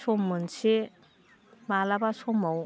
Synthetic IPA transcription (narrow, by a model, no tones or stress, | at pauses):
somːɯnse | malabasomaw